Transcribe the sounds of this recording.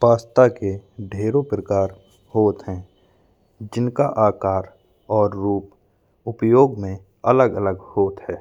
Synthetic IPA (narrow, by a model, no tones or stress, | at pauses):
paːst̪akeɖʱeːɾopɾəkaːɾ | hoːt̪ɦɛ̃ | d͡ʒɪnkaʔaːkaːɾ | ɔːɾːuːp | ʊpjoːɡmẽ | ələɡələɡhoːt̪ɦɛː